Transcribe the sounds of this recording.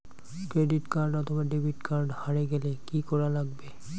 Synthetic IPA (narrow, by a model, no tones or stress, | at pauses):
kɹeditkaɹdɔtʰɔbadebʱitkaɹdhaɹɛɡɛlɛkikɔɹalaɡ̚bɛ